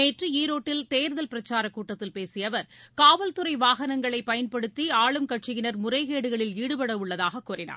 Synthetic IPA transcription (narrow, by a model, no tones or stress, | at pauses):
eːʈrɯiːɾoːʈːɪlt̪eːɾɯðɐlpɪɾɐt͡ʃːaːɾɐkuːʈːɐt̪ːɪlpeːsɪjɐʋɐɾkaːʋɐlt̪ɯɾɐɪʋaːɣɐnɐŋɡɐɭɐɪpɐjɐnpɐɽɯt̪ːiaːɭɯmkɐʈʂɪɣɪnɐɾmʊrɐɪɣeːɽɯɣɐɭɪliːɽɯpɐɽɐʋɯɭːɐðaːɣɐkːuːrɪna̰ː